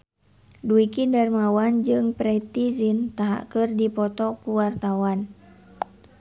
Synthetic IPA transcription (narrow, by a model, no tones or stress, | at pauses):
duikidarmawand͡ʒɨŋpɾɛt̪izint̪aɦa̰ʔkɨrdipɔt̪ɔkuwart̪awan